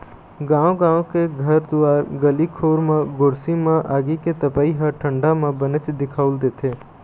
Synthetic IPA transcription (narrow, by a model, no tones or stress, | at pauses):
ɡãːõɡãːõkeɡʱəɾd̪ʊaːɾɡəlikʰoːɾmãɡʊɾsimãʔaːɡiket̪əpaːiɦəʈʰə̃ɳɖamãbənɪt͡ʃd̪ɪkʰaːʊld̪eːt̪ʰeː